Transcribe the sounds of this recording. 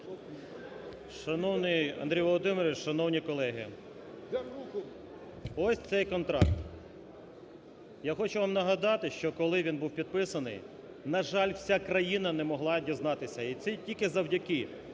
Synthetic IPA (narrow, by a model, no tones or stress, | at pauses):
ʃɐnɔwnɪjɐ̰nd̪ɾʲijʋɔlˠɔd̪ɪmeɾʲʋʲiʃɐnɔwnʲikɔlˠɛɦɪ̰ | ɔsʲt̪sɛjkɔnt̪ɾɑ̰k̚t̪ | jaxɔt͡ʃʊʋamnɐɦɐd̪ɑt̪ɪʃt͡ʃɔkɔlˠɪʋʲinbuwpʲid̪̚pɪsɐnɪ̰j | nɐʒɑlʲwsʲakɾɐjinɐnɛmɔɦlˠɑdʲiznɑt̪ɪsʲɐit̪sɛtʲilʲkɪzɐwdʲɐkɪ